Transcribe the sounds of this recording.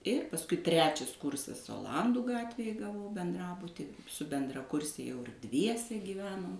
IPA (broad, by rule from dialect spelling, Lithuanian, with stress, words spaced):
ɪr pɐsˈkʊɪ ˈtʲrʲæːt͡ʃʲɛs ˈkʊrsɐs oːˈlˠɐnduː ˈɡɑːtʲʋʲeːj ɡɐˈʋɐʊ bʲɛnˈdrɑːbʊtʲɪ sʊ bʲɛndrɐˈkʊrʲsʲɛ jɛʊ ɪr ˈdʲʋʲiɛsʲɛ ɡʲiːˈʋʲæːnoːm